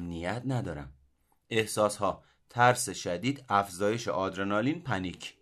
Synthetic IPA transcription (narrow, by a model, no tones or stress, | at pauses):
mnijæt̪ʰnæd̪ɒːɾæ̰m | e̞hsɒːshɒː | t̪ʰæɾseʃæd̪iːd̪æfzɒːje̞ʃḛʔɒːd̪ɾenɒːliːnpʰænicʰ